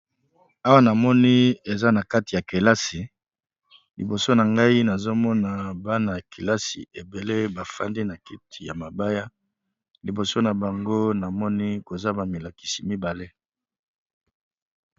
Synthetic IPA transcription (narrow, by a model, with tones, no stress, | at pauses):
a˦wa˦na˨mɔ˦ni˦e˨za˦na˨ka˦ti˨ja˨ke˨la˦si˨ | lḭ˨bo˨so˦na˨ŋɡa˦i˦na˨zo˦mɔ˦na˨ba˦na˨ki˨la˦sḭ˨e˨be˨le˦ba˨fa̰˦ndi˦na˨ki˦tʰi˨ja˨ma˨ba˦ja˦ | li˨bo˨so˦na˨ba˨ŋɡo˦na˨mɔ˦ni˦ko˨za˦ba˨mi˨la˨ki̥˨si˨mi˦ba˨le˦